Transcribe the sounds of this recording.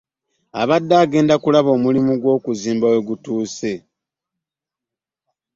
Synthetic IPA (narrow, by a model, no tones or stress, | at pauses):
a̰βadːaːɡe̞ːndakulaβo̞ːmulimuɡwo̞ːkuziːmbawe̞ɡutuːse̞